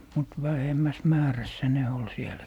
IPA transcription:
mut ʋæhemːæs mæːræsːæ ne ol sielˑæ

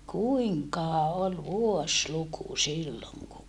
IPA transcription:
kuiŋkɑhɑ ol ʋuosluku silːoŋ ku

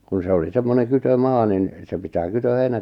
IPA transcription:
kun̞ se oli semːoneŋ kytømɑː nin se pitæː kytøheinæ

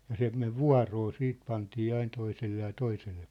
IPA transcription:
jɑ se meʋ ʋuɑ̝roː siːt pɑntiː ɑin toiselːe jɑ toiselːe

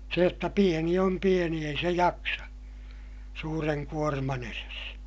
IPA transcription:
se jotːɑ pieni om pieni ei se jɑksɑ suːreŋ kuormɑn eres

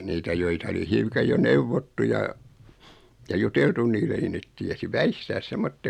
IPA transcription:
niːtæ joitɑ oli hiukɑj jo neuʋotːu jɑ jɑ juteltun niːlːe ni net tiesi ʋæistæːs semːotːek

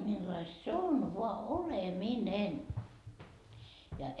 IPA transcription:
milːɑist se on ʋoɑ oleminen jɑ

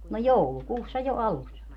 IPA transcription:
no joulukuːsːɑ jo ɑlusːɑ

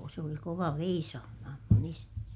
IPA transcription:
se oli koʋɑ ʋeisɑːmɑhɑm mun isæni

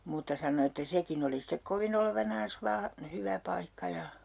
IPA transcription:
muːtːɑ sɑno etːæ sekin oli stek koʋin oleʋɑnɑːns ʋɑː hyʋæ pɑikːɑ jɑ

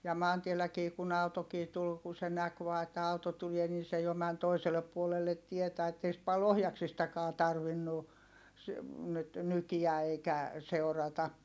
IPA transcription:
jɑ mɑːntielːækiː kun ɑutokiː tul ku se næk ʋɑː etːæ ɑuto tulie nin̞ se jo mæn toiselːep puolelːet tietæ etːei sĭt pɑl ohjɑksistɑkɑː tɑrʋinːu s nyt nykiæ eikæ seu̞rɑtɑ

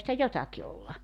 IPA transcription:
sitæ jotɑki olːɑ

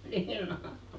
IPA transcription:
niːn o

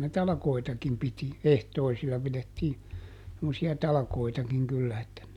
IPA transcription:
ne tɑlɑ̆koitɑkim piti ehtoisilːɑ piletːiː semːosiɑ tɑlɑkoitɑkiŋ kylːæ etːæ

